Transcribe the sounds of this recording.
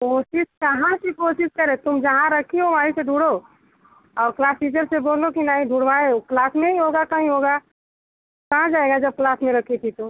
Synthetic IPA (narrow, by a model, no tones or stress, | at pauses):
koːʃɪʃkɐɦãsikoːʃɪskɐɾet̪ʊmd͡ʒɐɦãɾɐkʰiɦoʋaːiseɖʱuːɽo | ɔːɾklaːsiːd͡ʒəɾseboːlokinaːɦĩɖʱuːɽʋaeklaːsmẽĩɦoːɡakɐɦĩɦoːɡa | kɐɦãd͡ʒaːeɡad͡ʒɐb̚klaːsmẽɾɐkʰit̪ʰit̪o